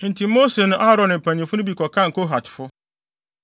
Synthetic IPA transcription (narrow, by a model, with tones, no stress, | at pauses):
n̩˨tʰĩ˨˦mo˦se˨nʊ̃˦ʔa˦ɾɔ̃˨nɪ̃˨m̩˨pʰæ̃˨nĩ˨fʊ˦nʊ̃˦bi˨kʰɔ˨kʰã˦˨ŋ̩˨kʰo˦ɦa˨tʰɪ̥˨fʊ˦